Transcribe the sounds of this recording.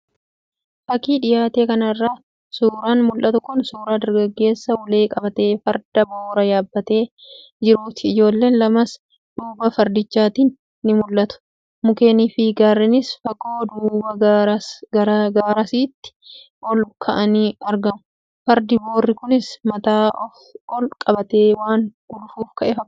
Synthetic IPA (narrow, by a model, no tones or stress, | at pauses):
fɐkiːᶑɪjaːt̪e̞ːkɐnɐrːaː | suːɾaːnmʊlʔɐt̪ʊkʊnsuːɾaːd̪ɐɾɡɐɡːe̞ːsːɐwʊle̞ːkʼɐbɐt̪e̞ːfɐɾd̪̥ɐbo̞ːɾɐjaːbːɐt̪e̞ː | d͡ʒɪɾuːt̪ɪɪd͡ʒo̞ːlːe̞ːnlɐmɐs | ᶑuːbɐfɐɾd̪ɪt͡ʃːaːt̪iːnː | ɪmʊlʔɐt̪ʊ̥ | mʊke̞ːniːfɪɡaːɾːɪnɪsfɐkʼoːd̪uːbɐ | ɐɡaːɾɐsiːt̪ːɪ̥ | ʔɔlkʰɐʔɐniɐɾɡɐmʊ | fɐɾd̪ɪboːrːɪkʊnɪsmɐt̪aːʔɔfɔlkʼɐbɐt̪e̞ːwaːŋɡ̥ʊlʊfuːfkɐʔɛfɐk